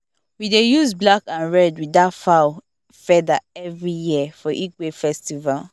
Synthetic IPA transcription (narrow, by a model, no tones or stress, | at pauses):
widejuzblakãnɹɛdwidatfaʊ | fɛdaɛvɹijifɔʔikwefɛstival